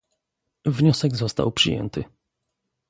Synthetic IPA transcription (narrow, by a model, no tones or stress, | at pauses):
vɲɔsɛɡzɔst̪a̰wpʂɨ̰jɛ̰nt̪ʰɘ